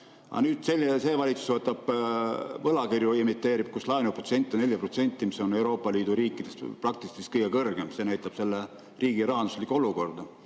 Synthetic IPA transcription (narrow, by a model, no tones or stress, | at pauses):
ɑ̰nyːd̪̥selʲːse̞ːvɑlʲit̪su̥svɤt̪ːˑɑb̥ | vɤlɑkirjuimit̪ːˑe̞ːɾib̥̚kuslɑjnuprot̪se̞nʲt̪ːˑinelʲjɑpro̞t̪se̞nʲt̪ʲːˑimiso̞ne̞wɾo̞ːpːˑɑliːd̪̥uɾiːkːˑid̪̥e̞st̪prɑk̚t̪ist̪ist̪kɤjɡ̥ekɤrɡ̥e̞mse̞ːnæjt̪ˑɑb̥se̞lːe | riːɡ̥iɾɑɦɑnd̪u̥slikːuo̞luko̞rd̪̥ɑ